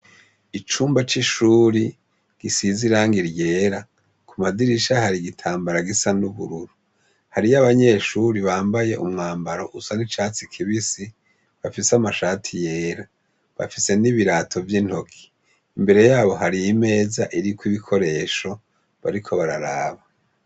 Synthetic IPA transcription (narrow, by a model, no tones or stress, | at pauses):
it͡ʃuːmbat͡ʃiʃuːɾi | ɡ̥isiziɾaːŋɡiɾje̞ːɾa | kʰumadiɾiʃahaɾiɡitʰaːmbaɾaɡisanuβṵɾuɾu | haɾijaβaɲe̞ːʃuɾiβaːmbaje̞ʔumŋaːmbaɾo̞ʔusanit͡ʃaːt͡sikʰiβisi | βafisamaʃaːtʰije̞ːɾa | βa̰fise̞niβiɾatʰo̞vjin̥ho̞kʰi̥ | imbe̞ɾe̞jaːβo̞ɦaɾijime̞ːzaʔiɾikwiβikʰo̞ɾe̞ːʃo̞ | βa̰ɾikʰo̞βaɾaɾaːβa